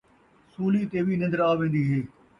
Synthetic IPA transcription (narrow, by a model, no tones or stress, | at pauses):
suːliːt̪eːʋiːnɪ̃nd̪əɾaːʋẽːn̆d̪iːɦeː